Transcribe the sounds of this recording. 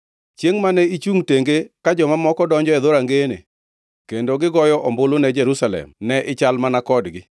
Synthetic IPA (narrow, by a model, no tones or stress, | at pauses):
t͡ʃjeŋmanɛit͡ʃuŋteŋɡekad͡ʒɔmamɔkɔdɔɲd͡ʒɔɛðoɾaŋɡenḛ | kendoɡɪɡɔjɔʔɔmbolonɛd͡ʒɛɾusalɛ̰mnɛʔɪt͡ʃalmanakɔdɡɪ